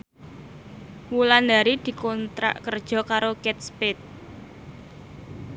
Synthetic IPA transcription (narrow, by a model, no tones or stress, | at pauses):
wulanda̤ɾid̪̥i̤kɔnt̪ɾa̰ʔkərd̥ʒ̥ɔ̤kaɾokɛt̪̚spɪt̪̚